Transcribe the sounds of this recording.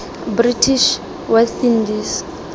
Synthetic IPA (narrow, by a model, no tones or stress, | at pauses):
britʰiʃ | wɛθindis